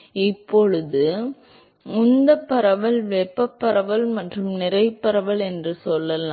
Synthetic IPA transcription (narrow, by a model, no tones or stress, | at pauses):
ɪpːɔɻɯðɯ | ʊnd̪ɐpːɐɾɐʋɐlʋɛpːɐpːɐɾɐʋɐlmɐʈrɯmnɪɾɐɪpːɐɾɐʋɐlɛndrɯsɔlːɐlãː